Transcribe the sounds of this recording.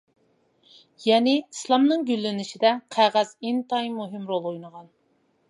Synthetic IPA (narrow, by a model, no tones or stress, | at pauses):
jɛnɪislˠɑmnɨŋɡʲylːɪnɪʃid̪ɛqʰæʁæz̥int̪ɑjmuɦɪmɾolˠojnəʁɑn